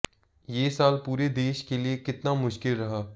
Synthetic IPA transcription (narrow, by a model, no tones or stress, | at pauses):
jeːsaːlpuːɾed̪eːʃkeliekɪt̪namʊʃkɪlɾɐɦaː